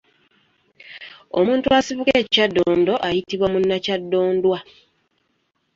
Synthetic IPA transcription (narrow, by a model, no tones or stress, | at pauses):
o̰muːntuasiβukeːcadːoːndo̞ʔajitiβwamunːacadːo̞ːndwa